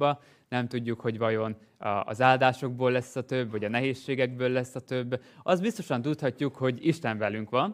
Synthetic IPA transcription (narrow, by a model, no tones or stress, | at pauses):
bɒ | nɛmt̪uɟːukho̞ɟvɒjo̞n | ɒɒ̰zaːld̪aːʃo̞ɡ̚boːlːɛsːɒt̪ø̞bːɒɟɒnɛɦeːʃːeːɡɛɡbøːlːɛsːɒt̪ø̞bːɒsd̪bist̪o̞ʃɒnt̪ut̪hɒcːukho̞ɟiʃt̪ɛɱvɛlyŋkʋɒn